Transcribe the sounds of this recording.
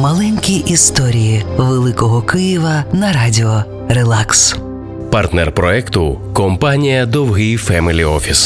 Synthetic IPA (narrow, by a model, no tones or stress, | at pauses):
mɐlˠɛnʲkʲijʔist̪ɔɾʲijiʋelˠɪkɔɦɔkɪjiʋɐnɐɾadʲɪɔ | ɾelˠaks | part̪nɛrpɾɔɛkt̪ʊkɔmpanʲijɐd̪ɔwɦɪjfɛmɪlʲiɔfʲis